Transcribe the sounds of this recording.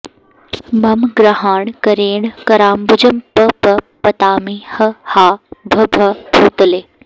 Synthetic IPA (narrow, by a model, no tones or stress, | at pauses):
mɐmɡɾɐɦaːɳkɐɾeːɳkɐɾaːmbʊd͡ʒɐmpɐpɐ | pɐt̪aːmihɐhaːbʱɐbʱɐbʰʱuːt̪ɐleː